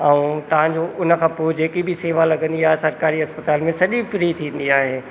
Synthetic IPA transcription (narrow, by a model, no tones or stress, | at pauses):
ɛũt̪ɐʋ̤ãd͡ʑoʔʊnə̆kʰãːpoːd͡ʑeːkibʱɪseːʋalɐɡə̃nd̪iaːɦesɐɾkaːɾiɦɐspət̪aːlmẽsɐʄifɾit̪ʰĩːn̆d̪iaːɦeː